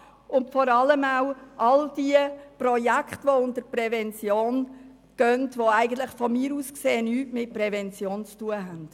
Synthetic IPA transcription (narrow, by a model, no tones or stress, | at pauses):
ʊntfɔɾɑləmaʊʔɑld̥iəpɾɔjækχtʋoʊntəɾpɾɛvɛnt͡sjoːn | ɡ̥œntʋoæɪɡən̩tləχfɔmiːɾuːskseːnyːtmɪt̚pɾɛvɛnt͡sjoːnt͡stuəɦænd̥